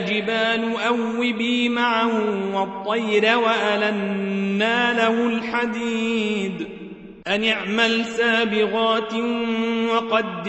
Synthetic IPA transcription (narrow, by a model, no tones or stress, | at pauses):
d͡ʒɪbaːlʊʔawːɪbiːmaʕahʊwɑt̪ˤːɑjɾawaʔalanːaːlahʊlħad̪iːd̪ | ʔanɪʕmalsaːbɪɣɑːt̪ | wɑqɑd̪